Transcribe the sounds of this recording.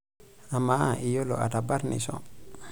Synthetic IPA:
a˨ma˦ʔi˨jo˦lo̰˨ʔa̰˨ta˨ba˦ɾnḭ˨sɔ̰

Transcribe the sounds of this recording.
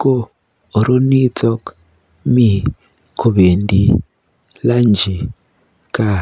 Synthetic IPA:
ko˦ | o˨ɾo˦ni˦tɔ˦k | mi˨ | kʰu˨βe˨ndi˦ | la˦nd͡ʒi˨ | ka˦˨

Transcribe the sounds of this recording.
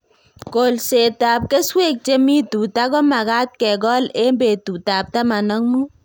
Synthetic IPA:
ko˨lse˨ta˨p̚ke˦swe˦k̚t͡ʃe˦mi˦tu˨ta˦kɔ˦ma˨ɡa˦t̚kɛ˨ɡɔ˦le˦mbe˨tu˨ta˨p̚ta˦ma˨nɔ˦ŋmu˦

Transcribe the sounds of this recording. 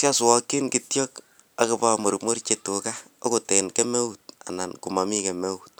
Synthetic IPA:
sja˦swɔ˦kːɪ˦nkitjɔ˦k | a˨kupa˦mo˨ɾumo˦ɾt͡ʃetoka˦ | o˦ko˨te˨nke˦me˦ut̚a̰˨na˨nku˨ma˨mi˦ke˨me˦ut̚

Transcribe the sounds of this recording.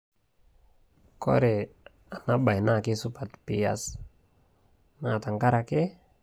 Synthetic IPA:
kɔ̰˦ɾɛ˨ | a˨na˦ba˨jna˦˨ki˦su˦pa˨t̪pi˨ja̰s | na˨ta˨ŋka˦ɾake˦

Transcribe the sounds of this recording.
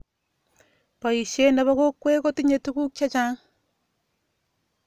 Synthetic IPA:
ba˨i˨ʃe˦na˨βo˦ko˦kːwe˦ko˦ti˦ɲe˨tu˦ku˦kʲa˦t͡ʃa˦

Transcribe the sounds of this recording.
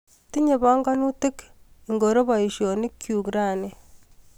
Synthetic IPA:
ti˦ɲe˨βɔ˦ŋɡa˦nu˦tɪ˦k | i˨ŋɡo˨ɾo˦βa˨i˨ʃjo˨ni˦kʰːju˨kɾa˦˨ne˨

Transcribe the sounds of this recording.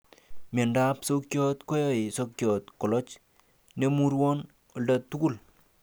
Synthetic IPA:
me˨nda˦pso˦kjɔ˦t̪ko˦jɔ˨i˨so˦kjɔ˨t̪kɔ˨lɔ˦t͡ʃ | ne˦mu˦ɾwɔ˦n | o˨lda˨t̪ːu˦ku˦˨l

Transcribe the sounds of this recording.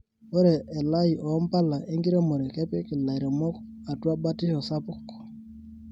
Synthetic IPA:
o˦ɾe˨ʔːla˦i˨ʔɔ˨˦mpa˦la˨ʔe˦ŋɡi˦ɾe˦mo˨ɾe˨kɛ˦pɛ˦kɪ˨la˨i˨ɾe˨mɔ˦k | a˨twa˦ba˦tɪ˦ɔ˨sa˦pʊ˦kːɔ̥˨

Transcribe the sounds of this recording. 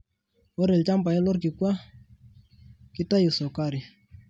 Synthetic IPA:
ɔ˦ɾɛ˨lt͡ʃa˦mpa˨ɛ˦lɔ˦rki˨kwa˦ | ki˦ta˦ju˨sɔ˨ka˦ɾi˨

